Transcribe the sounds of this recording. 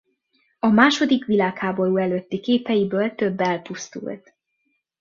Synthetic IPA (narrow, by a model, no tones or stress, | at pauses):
ɒmaːʃo̞d̪ikʋilaːkhaːbo̞ɾuːɛløt̪ːikeːpɛjibøːlt̪ø̞bːɛlpust̪ṵlt̪